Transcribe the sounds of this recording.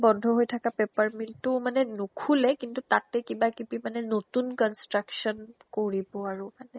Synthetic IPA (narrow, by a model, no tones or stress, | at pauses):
bɔndʱɔɦojtʰakapepaɹmiltʊmanɛnokʰulɛkintutatɛkibakibimanɛnotunkɔnstɹaksɔnkoɹibɔaɹʊmanɛ